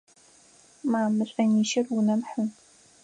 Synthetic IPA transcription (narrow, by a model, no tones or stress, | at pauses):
maːmːɨɕʷʼɐniːʃɐrwunɐmħɨm